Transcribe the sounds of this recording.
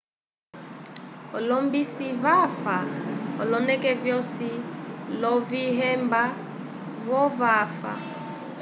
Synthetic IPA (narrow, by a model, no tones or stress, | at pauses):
ɔlɔmbisivafaɔ̰lɔnɛkɛvjɔsilɔviɦɛmba | vɔvafa̰